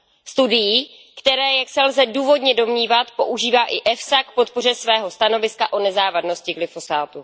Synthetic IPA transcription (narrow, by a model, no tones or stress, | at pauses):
st̪udɪjiː | kt̪ɛɾɛːjaksɛlzɛduːvo̞dɲɛdo̞mɲiːvat̪po̞ʔuʒiːvaːʔɪʔɛfsakpo̞t̪̚po̞r̝ɛsvɛːɦo̞st̪ano̞vɪskaʔo̞nɛzaːvadno̞scɪɡlɪfo̞saːt̪u